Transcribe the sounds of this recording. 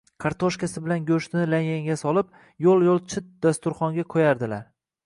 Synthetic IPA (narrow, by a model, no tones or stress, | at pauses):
kʰaɾt̪ʰoʃkʲasɪbɪlanɡʲɵʃt̪nɪlaŋʲaŋɡʲasɒlˠɪp̚ | jolˠjolˠt͡ʃʰɪt̪̚d̪̥ast̪ʊɾχɒŋɡʲakʰojaɾd̪ɪlaɾ